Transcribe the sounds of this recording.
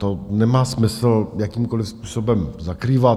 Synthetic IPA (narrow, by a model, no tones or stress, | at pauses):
t̪onɛmaːsmɪsl̩jakiːmkolɪfspuːsobɛmzakɾiːva